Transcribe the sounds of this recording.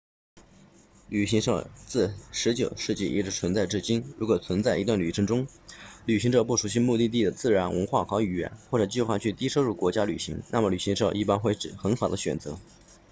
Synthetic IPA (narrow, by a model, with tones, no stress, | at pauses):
ly˨˩ɕi˧˥ŋʂɤ˥˩t͡sɹ̩˥˩ʂɻ̩˧˥t͡ɕjo˨˩ʊʂɻ̩˥˧t͡ɕḭ˥˩ʔḭ˥˩ʈ͡ʂɻ̩˧˥t͡sʰwə˧˥nt͡sa˥˧ɪʈ͡ʂɻ̩˥˩t͡ɕi˥nɻu˧˥kwɔ˨˩t͡sʰwə˧˥nt͡sa˥˩ɪi˧˥t̪wa˥˩nly˨˩ʈ͡ʂʰɤ˧˥ŋʈ͡ʂʊ˥ŋ | ly˨˩ɕi˧˥ŋʈ͡ʂɤ˨˩p̬u˥˩ʂu˧˥ɕ̬i˥˧mu˥˧t̪i˥˧t̪̬i˥˩d̪ə˩t͡sɹ̩˥˩ɻa˧˥nwə̰˧˥nxwa˥˩kʰɑ˧˥ʊy˨˩ɥɛ̰˧˥nxwɔ˥˩ʈ͡ʂɤ˨˩t͡ɕi˥˧xwa˥˧t͡ɕʰy˥˩t̪i˥ʂo˥ʊɻu˥˩kwɔ˧˥t͡ɕja˥ly˨˩ɕi˧˥ŋna˥˩mə˩ly˨˩ɕi˧˥ŋʂɤ˥˩ʔi˥˩pa˥nxwe˥˩ɪʈ͡ʂɻ̩˨˩xə˧˥nfa˨˩d̪ə˦ɕɥɛ̰˨˩nt͡sɤ˧˥